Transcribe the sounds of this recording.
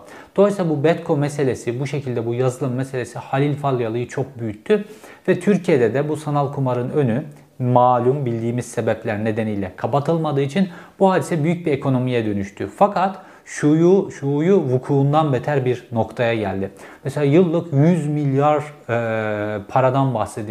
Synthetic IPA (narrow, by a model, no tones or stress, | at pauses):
d̪̥o̞lˠsabubɛt̪kʰomːɛse̞lʲesibuʃe̞cʰilʲd̪ɛbujazɯlˠɯmːese̞lʲe̞sihalʲilʲfalʲˠːjalˠɯjɯt͡ʃʰo̞k̚byjyc̚t̪ʰyvɛt̪ʰyɾcʰijed̪ɛd̪ɛbusanalˠkʰumaɾɯnø̞ny | maːlʲumbilʲd̪iːmiz̥se̞bɛplʲæɾne̞d̪e̞nijlʲɛkʰapat̪ʰɯlˠmad̪ɯːit͡ʃʰinb̥uhaːd̪isɛbyjyc̚biekʰo̞no̞mijɛd̪ø̞nyʃt̪ʰyfakʰat̪ | ʃujuʃujuvukʰuːnd̪anbet̪ʰæɾbiɾno̞kt̪ʰajaɟælʲd̪ɪmɛselʲaːjɯlˠːɯkjyzmilʲjaɾ | pʰaɾad̪anbaxsed̪i